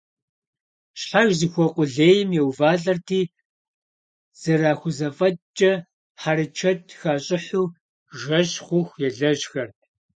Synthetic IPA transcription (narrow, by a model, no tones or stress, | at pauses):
ɕħaʒzixʷɔqʷʼʊɮeːjɪmjɛwvaːɮɐrtʰiː | z̥ɨraːxʷʊzɐfʼɐt͡ʃʼɐ | ħaɾɨt͡ʃʰɐtʰxaːɕʼɪħuː | ʒɐɕχʷʊxʷjɛɮɐʒxɐrt̚ʰ